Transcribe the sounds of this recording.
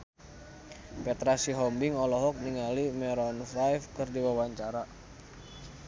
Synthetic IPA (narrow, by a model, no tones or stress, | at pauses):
pɛt̪ɾasiɦɔmbɪŋɔlɔɦɔk̚niŋalimɛɾɔnfajfkɨrdiwawaɲt͡ʃaɾa